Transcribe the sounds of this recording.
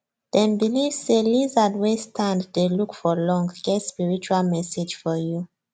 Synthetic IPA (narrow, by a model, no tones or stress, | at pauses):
ð̥ɛ̃nbilivz̥selizadwestʰãnddelukfɔlɔ̃ŋɡɡɛtspiɹit͡ʃualmɛsed͡ʒfɔju